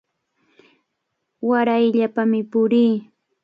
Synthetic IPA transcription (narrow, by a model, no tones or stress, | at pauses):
waɾajʎapamɪpʊɾiː